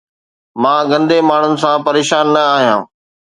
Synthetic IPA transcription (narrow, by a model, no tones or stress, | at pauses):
mãːɡɐ̃nd̪emaːɳ̤ʊnɪ̆sãpɐɾeːʃaːnːɐaːɦijã̰ː